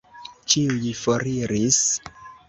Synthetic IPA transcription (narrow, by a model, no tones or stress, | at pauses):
t͡ʃiujifoɾiɾis